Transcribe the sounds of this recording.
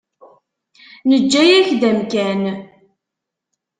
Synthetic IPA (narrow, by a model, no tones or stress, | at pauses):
nəd͡ʒːæjæçðæmkæn